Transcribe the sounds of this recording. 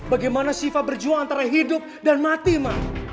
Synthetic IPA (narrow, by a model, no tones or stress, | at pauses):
baɡajmanasifabərd͡ʒuaŋant̪aɾaɦidʊp̚danmat̪imah